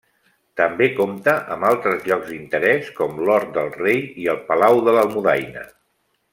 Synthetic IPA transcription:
t̪əmbekomt̪əʔəmalˠt̪ɾəzʎɔɡzd̪int̪əɾɛskɔmlɔɾt̪̚d̪əlˠrejiəlˠpəlawðələlˠmuðajnə̰

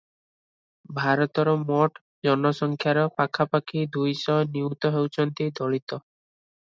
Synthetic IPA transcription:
bʱaɾɔt̪ɔɾɔmɔʈ | d͡ʒɔnɔsɔŋkʰjaɾɔpakʰapakʰid̪ʱujsɔniwt̪ɔɦewt͡ʃʰɔnt̪id̪ʱɔɭit̪ɔ

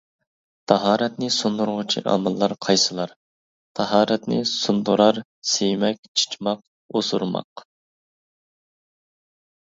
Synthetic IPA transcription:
t̪ʰɑɦɑːɾɛt̪nɪsund̪uɾʁʊt͡ʃʰḭʔɑ̰mɨlˠːɑɾqʰɑjsɨlˠɑɾ | t̪ʰɑɦɑːɾɛt̪nɪsund̪uɾɑɾ | sejmɛkʲt͡ʃʰi̥t͡ʃmɑq | osuɾmɑ̰q

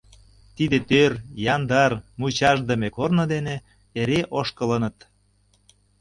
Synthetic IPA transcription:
t̪id̪et̪ørjɑnd̪ɑrmut͡ɕɑʒd̪ə̆mʲekornŏd̪ene | eɾeʔoʃkələnə̆t̪

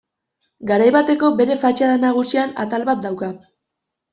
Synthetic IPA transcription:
ɡaɾajβat̪e̞ko̞be̞ɾe̞fat͡ʃaðenaɣ̞usiana̰t̪alβat̪̚d̪awka

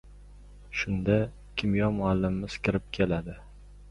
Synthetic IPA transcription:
ʃʊnd̪a | kʲʰɪmjɒmʊalːɪmɪmɪz̥kʲʰɪɾɪp̚kʲʰelad̪ɪ

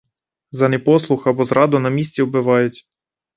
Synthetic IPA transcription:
zɐnɛpɔslˠʊxɐbɔzɾɑd̪ʊnɐmʲisʲtʲiɔbɪʋɑjʊtʲ

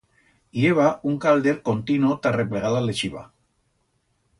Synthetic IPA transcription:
ieβauŋkald̪eɾkont̪inot̪arepleɣalalet͡ʃiβa̰

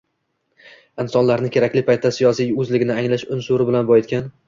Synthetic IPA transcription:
ɪnsɒnlaɾnɪkʲʰe̞ɾakʲlɪpʰajt̪ʰːasɪjɒsijɵzlɪɡʲɪnɪaŋlaʃʊnsʊɾɪbɪlanbɒjɪt̪̚ʲkʲan

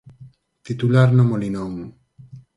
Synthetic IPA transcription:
t̪it̪ulaɾnomolinomu

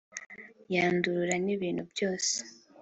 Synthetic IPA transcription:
jaːnduɾuɾaniβiːn̥hubjo̞ːse̥

